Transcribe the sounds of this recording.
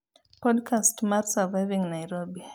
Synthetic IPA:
pʰɔdkʰastmatsəvajvĩŋnajɾɔbi

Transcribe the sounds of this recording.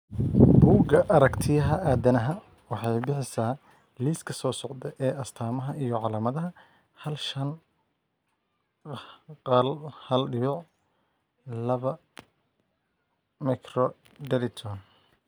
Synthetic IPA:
buːɡɐʔɐɾɐkt̪ʰɪjɐɦɐʔaːd̪ɐnɐɦɐ | wɑħɑjbɪħɪsaː | liːskʰɐsɔːsɔʕd̪ɛʔɛːɐst̪ʰaːmɐɦɐʔijɔʕɑlaːmɐðɐɦɐ | hɐlʃɐn | qɑlhɐlɖɪjʊʕ | lɐβɐ | mɛkrɔ | ɖɛɾɪt̪ʰɔn

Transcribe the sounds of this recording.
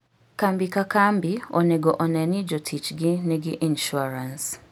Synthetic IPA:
kambikakambioneɡoʔɔnɛnid͡ʒotʰit͡ʃɡɪnɛɡɪʔinʃuaɾans

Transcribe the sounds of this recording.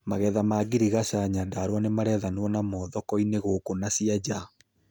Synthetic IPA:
maɣɛðamaːɡiɾiɣasaɲadaɾwanemaɾɛðanwɔnamɔðɔkɔineɣokonasiad͡ʑa

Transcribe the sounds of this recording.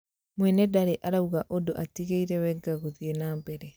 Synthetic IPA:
mwɛnedaɾeʔaɾauɣaʔodoʔatiɣeiɾewɛɡaɣuðienaːmbeɾe

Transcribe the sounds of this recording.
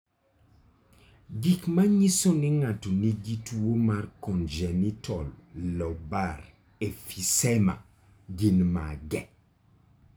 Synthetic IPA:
ɡikmaɲisonɪŋatoniɡituomarkɔnd͡ʒɛnitɔllɔbaɾ | efisɛma̰ | ɡinma̰ɡɛ

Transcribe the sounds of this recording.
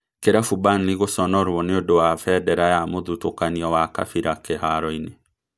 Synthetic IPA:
keɾafubaniɣosɔnɔɾwɔneodowafɛdɛɾajamoðutokaniɔwaka̰fiɾakeɦaɾɔine

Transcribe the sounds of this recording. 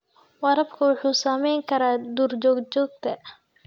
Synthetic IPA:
wɐɾɐbkʰɐwʊħuːsaːmɛjŋkʰɐɾaːd̪uːɾd͡ʒɔːɡd͡ʒɔːɡ̚t̪ʰɐ

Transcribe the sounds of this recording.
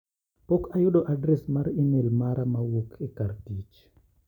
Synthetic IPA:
pokajuɗɔʔadɾɛsmaɾinelmaɾamawukʰɛkaɾtit͡ʃ

